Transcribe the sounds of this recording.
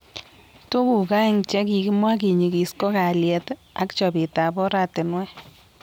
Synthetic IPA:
to˦ku˨ka˦ɪ˦ŋt͡ʃɛ˦k̬i˨ki˦mwa˦k̬i˨ɲi˨ki˨sko˦ka˨ljɛ˨t | a˨˦kt͡ʃɔ˨bi˨ta˨bɔ˦ɾa˦tɪ˨nwɛ˦

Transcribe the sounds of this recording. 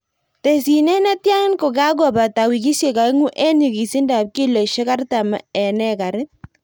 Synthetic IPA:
te˨si˨nɛ˦na˦tja˦ŋɪ˦nko˨ka˦ɡ̬ɔ˨ba˨ta˨wi˨ki˦sje˨ka˨i˦ŋu˦ʔɛ˦ni˨ki˨si˦ndaː˨p̚ki˦lɔ˨ʃe˦ka˦rta˨ma̰˨ɛ˨nɛ˦ka˨ɾɪ˦

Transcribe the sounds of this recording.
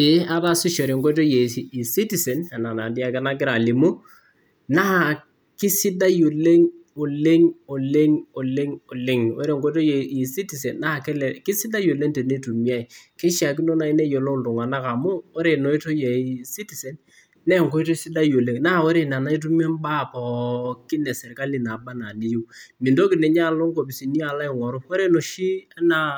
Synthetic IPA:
ɪ˨˦a˦ta˦si˦ʃɔ˨ɾe˨ŋko˦to˦je˨i˨si˦ti˨se˨na˨na˨na˨di˦a˦˨kɛ˦na˦k̬ɪ˦ɾa˨li˨mʊ˦ | na˦a˨ | kɪ˦sɪ˦da˦jo˨le˦ŋo˨le˦ŋo˨le˦ŋo˨le˦ŋo˨le˦ŋo˦ɾe˨ŋko˦to˦je˨i˨si˦ti˨se˨nːa˦ha˨kɛ˦lɛ˨kɪ˦sɪ˦da˦jo˨le˦ŋte˨ne˦tu˨mi˦a˦i˨kɛ˦ʃa˨k̬i˦no˦na˨i˦ne˦jo˨lo˦˨n˨tʊ˨ŋa˨na˦ka˨mʊ˦o˦ɾe˨no˨i˦to˦je˨i˨si˦ti˨se˨n | nɛ˦˨ŋ˨ko˦i˦to˦sɪ˦da˦jo˨le˦ŋna˦a˦˨o˦ɾe˨na˨na˦i˦t̬u˦me˦mba˦˨pɔ˨kɪ˦nɛ˨sɛ˨ɾka˦lɪ˨na˨ba˦na˨li˨ju˦mɪ˨ndo˦kɪ˨nɛ˨ɲa˦a˨lo˦ŋko˨pi˨si˨ni˦a˨la˦ɪ˨ŋɔ˨ɾʊ˦o˦ɾe˦no˨ʃi˦a˦na˨

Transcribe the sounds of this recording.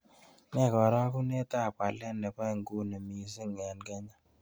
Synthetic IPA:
nɛ˦˨kɔ˨ɾa˦ku˦ne˦ta˦˨pa˨lɛ˦nɛ˨pa˦˨ŋɡu˦ne˨mi˨si˦ŋɛ˨nkɛ˦ɲa˦

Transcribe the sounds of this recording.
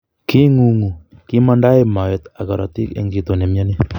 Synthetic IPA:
ki˦ŋu˨ŋu˨ki˦ma˦nda˦i˨ma˨jɔ˨t̪a˨kɔ˨ɾa̰˨t̪ḭ˦kḛ˦ŋɡi˨˦t̪o˨ne˨mjɔ˦ni˦

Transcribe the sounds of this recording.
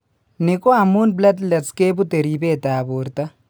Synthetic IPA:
neko˦a˨mu˦nblɐ˦d̪lɐ˨ske˦bu˦t̪e˨ɾi˨beː˦t̪aːbo˨ɾt̪ɐ˦

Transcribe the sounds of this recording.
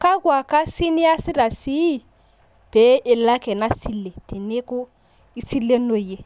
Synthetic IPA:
ka˦kwa˨ka˦si˦ni˦a˦si˦ɾa˨si˦˨ | pe˨˦ʔe˨lːa˦kɛ˨na˦si˦lːe˨te˨ne˦ko˦ | i˦si˦lːe˦no˦˨je˦

